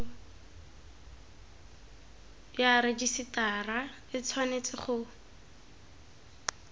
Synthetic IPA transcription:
jaɾɪdisɪtara | ɪt͡sʰwanet͡sɪχʊ

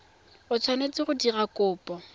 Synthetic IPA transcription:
ʊt͡sʰwanet͡sʼɪχʊdirakʼʊːpʼɔ

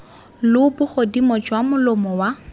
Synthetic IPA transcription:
lʊbʊχodimɔt͡ʃʼwamʊlʊmɔwa

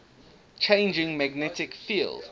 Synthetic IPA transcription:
t͡ʃʰẽɪ̃nd͡ʒɪ̃ŋmæɡnɛtɪkfiːlˠd̥

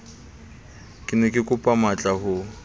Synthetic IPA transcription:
kʼɪnɛkʼɪkʼʊpʼamat͡ɬʼaɦʊ

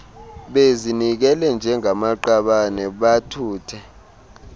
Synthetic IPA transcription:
ɓezinik̬ɛlɛnd͡ʒʱɛŋʱamaǃaɓanɛɓatʰuːtʰɛ

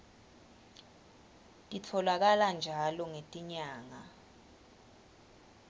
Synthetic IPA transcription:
tʼitʰɔlak̬aland͡ʒʱalɔŋetʼiɲaːŋa

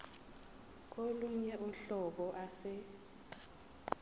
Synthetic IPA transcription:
k̬oluɲɛʔuɬɔk̬ɔʔasɛ

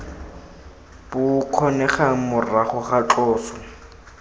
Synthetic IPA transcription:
bʊkʰɔnɛχamʊraχʊχat͡ɬɔːsɔ̥

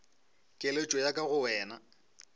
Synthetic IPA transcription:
kʼelet͡ʃʼɔjakʼaɣʊwɛːna

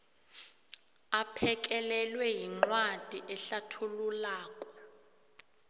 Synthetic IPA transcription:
apʰɛk̬ʼɛlɛlwɛjiŋ͡ǃwad̥ʱiʔɛɬatʰululaːkʼɔ̥

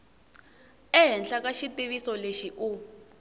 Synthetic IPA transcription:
ɛɦɛnd͡ɮakaʃitiβisɔleʃiʔu

